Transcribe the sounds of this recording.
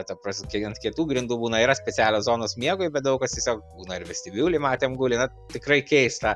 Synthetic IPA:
t̪ɐpɐsʲkʲɛnt̪kʲiɛt̪uːɡɾʲɪnd̪uːbuːnɐiːɾɐsʲpʲɛt͡sʲæːlʲoːszoːnoːsmʲiɛɡʊɪbʲɛt̪̚d̪ɐʊkɐst̪ʲiɛsʲoːkbuːnɐɪɾʋʲɪsʲt̪ʲɪbʲuːlʲɪmɑːt̪ʲeːmɡʊlʲɪnɐ | t̪ʲɪkɾɐɪkʲɛɪst̪ɐ

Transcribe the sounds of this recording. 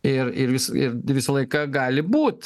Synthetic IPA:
ɪrɪrʋʲɪsɪ̰ɾʋʲɪsɐlˠɐɪkɐɡɑːlʲɪbuːt̪

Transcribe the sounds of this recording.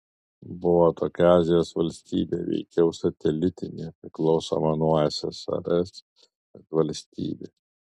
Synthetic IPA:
bʊʋoːt̪oːkʲɑːzʲɪjoːsʋɐlʲsʲt̪ʲḭːbʲḛːʋʲɛ̰ɪkʲɛʊsɐt̪ʲɛlʲɪt̪ʲɪnʲḛːpʲɾʲɪklˠɒʊso̰mɐnujɛsʲɛsɐ̰ɾʲɛsʲ | ɐt̪ʋɐlʲsʲt̪ʲḭːbʲeː

